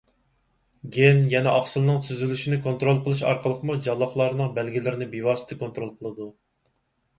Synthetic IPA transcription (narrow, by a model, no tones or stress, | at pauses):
ɡʲenjɛnɛʔɑχsɨlˠnɨŋsʰyzylyʃinɪkʰont̪ɾolˠqʰəlˠɨʃ̬ɑ̰ɾqəlˠəqʰmud͡ʒɑlˠːɑχlˠɑɾɨnɨŋbɛlɡʲilɪɾɪnɪbewɑːsɨ̥t̪ʰɨkont̪ɾolˠqʰəlˠɨd̪u